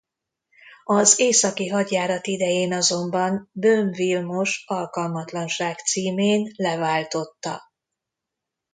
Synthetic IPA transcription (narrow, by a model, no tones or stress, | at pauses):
ɒzeːsɒkiɦɒd̪jaːɾɒt̪id̪ɛjeːnɒzo̞mbɒnbøɱvilmo̞ʃɒlkɒlmɒt̪lɒnʃaːkt̪siːmeːnlɛvaːlt̪o̞t̪ːɒ